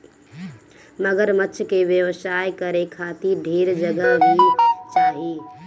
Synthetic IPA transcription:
məɡəɾmətːʃʰkebjəʋəsajkəɾekʰat̪iɾɖʱiɾd͡ʒəɡəɦbʱit͡ʃaːɦi

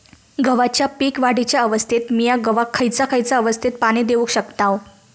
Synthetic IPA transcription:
ɡəʋat͡ɕjapiːkʋaɽit͡ɕjaəʋəst̪ʰit̪mijaɡəʋakʰːəjt͡sakʰəjt͡saəʋəst̪ʰit̪̚paɽ̃id̪eʋukɕəkt̪aʋ

